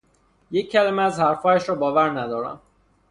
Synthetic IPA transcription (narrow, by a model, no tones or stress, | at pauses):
jecʰːælæmeæzhæɾfɒːjæʃɾɒːbɒːvæɾnæd̪ɒːɾæ̰m